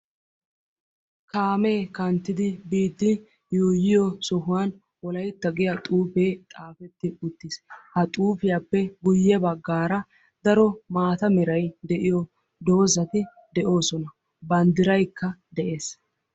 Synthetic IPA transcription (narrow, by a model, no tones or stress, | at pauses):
kaːmeːkɐnt̪ːɪd̪ɪbiːt̪ːɪ | juːjɪjɔsɔɦʊwaːn | wɔlɐjt̪ːɐɡɪjɐt̪ʼuːfeːt̪ʼaːfɛt̪ːɪʊt̪ːɪshɐt̪ʼuːfɪjapːɛɡʊjːɛbɐɡːaːɾɐ | d̪ɐɾɔmaːt̪ɐmɛɾɐjd̪ɛʔɪjɔ | d̪o̞ːzɐt̪ɪ | d̪ɛʔo̞ːsɔnɐ | bɐnd̪ɪɾɐjkːɐd̪ɛʔe̞ːs